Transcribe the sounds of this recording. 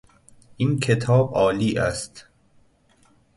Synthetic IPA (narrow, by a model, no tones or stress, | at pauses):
ʔiːnkʰet̪ʰɒːbʔɒːliːʔæ̰st̪